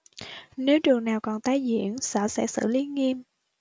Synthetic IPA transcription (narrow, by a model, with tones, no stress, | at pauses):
ne˨˦wt͡ɕɨ˨˩əŋnaː˨˩wkɔ˨˩nt̪aː˨˧˩jzḭ˧˥˨ənsə̰ː˧˥sɛ̰˧˥sɨ̰˧˥li˨˦ŋi˧m